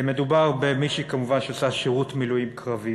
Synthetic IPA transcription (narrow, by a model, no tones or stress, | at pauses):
me̞dubaʁbemiʃikamuvanʃeasaʃeʁutmilujimkʁavi